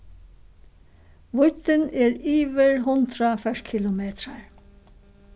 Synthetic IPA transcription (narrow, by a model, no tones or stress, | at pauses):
ʋʊt̪ːɪnɛːɹiːʋəɹɦʊnt̪ɾafɛʂkʰɪlʊmeːt̪ɾaɹ